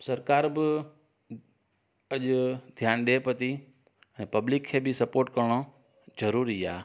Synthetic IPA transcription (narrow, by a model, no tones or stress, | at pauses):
sɐɾkaːɾbɪ | ɐʄd̪ʱjaːnɗepɐt̪i | ə̃ñːpɐblɪkʰːeːbɪsɐpoːɾʈkɐɾɽ̃o | d͡ʒɐɾuːɾiaː